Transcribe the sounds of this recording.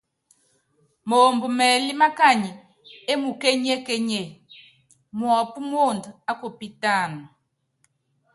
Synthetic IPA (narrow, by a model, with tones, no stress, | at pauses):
mo˨mbu˨mɛ˨li˦ma˦ka˦˨ɲi˨ | e˦mu˨kɛ˦ɲɛ˦kɛ˦ɲɛ˦˨ | mwɔ˨pu˦mwo˦˨ndu˨a˦ko˨pi˦ta˦˨nu˨